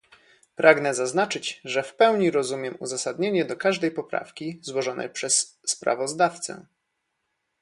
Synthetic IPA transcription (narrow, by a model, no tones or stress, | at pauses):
pɾʔaɡnɛzaznat͡ʂɘt͡ɕʐɛfpɛwɲiɾɔzumʲjɛmṵzasad̪ɲeɲɛd̪ɔkaʐd̪ɛjpɔpɾa̰fkʲizwɔʐɔnʔɛ̰jpʂɛsːpɾa̰vɔzd̪aft̪sɛ̰